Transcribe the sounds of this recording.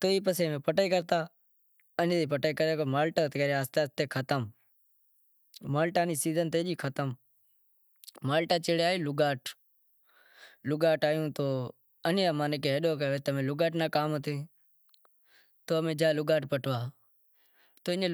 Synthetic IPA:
t̪oːiːpəseːmẽːpəʈəiːkəɾt̪aː | ənt̪iːpəʈaiːkəɾaːkomaːlʈaːt̪eəɾeaːst̪aːt̪eːkʰət̪əm | maːlʈaːniːsiːzənt̪eːd͡ʒiːkʰət̪əm | maːlʈaːt͡ʃeɽeaːeːlʊɡaːʈ | lʊɡaːʈaːjũːt̪oː | ənːaːmaːnekːeːɦəɗoːk̬əoːʋet̪ːmẽːlʊɡaːʈnaːkaːmət̪ʰeː | t̪oːmẽːd͡ʒaːlʊɡaːʈpəʈʰʋaː | t̪oːɪnː

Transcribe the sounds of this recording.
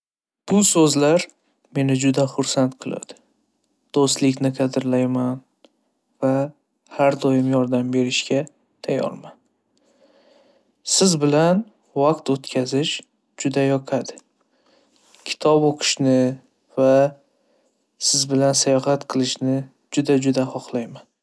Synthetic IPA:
b̥ʊsɵzlaɾ | me̞nɪd͡ʒʊd̪aχʊɾsant̪qʰɨlˠa̰d̪̥ɪ̥ | d̪̥ost̪lɪkʲnɪqʰɑd̪ɪɾlajman | va | haɾd̪ɒjɪmjɒɾd̪ambe̞ɾɪʃkʲa | t̪ʰajɒ̰ɾman | sɪzbɪlan | vaqt̪ot̪kʲʰazɪʃ | d͡ʒʊd̪ajɒqʰad̪ɪ | kʲʰɪ̥t̪ʰɒboqʰɨ̥ʃnɪ | va | sɪzbɪlansajɒhat̪qʰɨlˠɪʃnɪ | d͡ʒʊd̪ad͡ʒʊd̪ahɒχlˠajman

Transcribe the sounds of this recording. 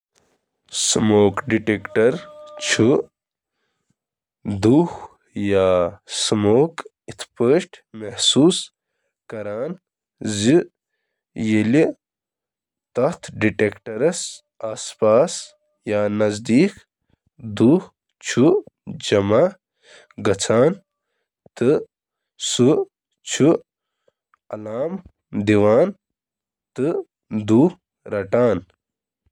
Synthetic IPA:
smoːkɖiʈeːkʈɐɾt͡ʃʰu | d̪uːh | jaːsmoːk | it̪ʰpəːʃʈmehsuːs | kɐɾaːn | zi | jeli | t̪ɐht̪ʰɖiʈekʈɐɾɐs | aːspaːs | jaːnɐzd̪iːk | d̪uːh | t͡ʃʰud͡ʒɐmaː | ɡɐt͡sʰaːn | t̪ɨ | su | t͡ʃʰu | ɐlaːm | d̪iʋaːn | t̪ɨ | d̪uːh | ɾɐʈaːn

